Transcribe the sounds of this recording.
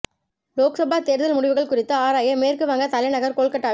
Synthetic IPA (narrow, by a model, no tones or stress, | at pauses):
loːksɐbaːt̪eːɾðɐlmʊɽɪʋɯɣɐɭkʊrɪt̪ːɯaːɾaːjɐmeːrkɯʋɐŋɡɐt̪ɐlɐɪnɐɣɐɾkoːɭkɐʈːaː